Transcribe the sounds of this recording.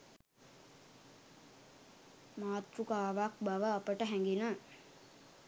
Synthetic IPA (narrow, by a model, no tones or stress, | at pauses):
maːt̪rukaːʋak̚baʋəapəʈəɦæŋɡinə